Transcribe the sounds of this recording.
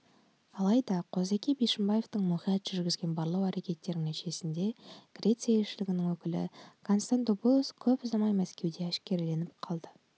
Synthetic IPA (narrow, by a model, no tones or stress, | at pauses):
ɑlˠɑjd̪ɑqʰo̞zækʲibejʃɪmbɑje̞vt̪əɴmuχijɑt̪ʒʏɾɡʲɪzɡʲe̞nbɑɾlˠɑwæɾekʲe̞t̪ːe̞ɾɪŋæʃe̞sɪnd̪e̞ɡ̥rʲe̞t̪sɨjae̞lʃɪlɪɡʲɪnɪŋwɵkʲɪlɪ̰kʰonst̪and̪opulˠoskʲʰɵpʊzɑmɑjmæskʲe̞wd̪e̞æʃkʲe̞ɾle̞nɪp̚qʰɑlˠd̪ə